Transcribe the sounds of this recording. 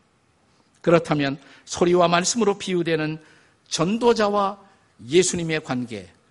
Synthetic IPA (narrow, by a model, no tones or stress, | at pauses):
kɯɾʌtʰamjʌn | sʰoɾiwamaɭs͈ɯmɯɾopʰiudwe̞nɯn | t͡ɕʌndod͡ʑawa | je̞sʰuɲime̞kwanɡe̞̰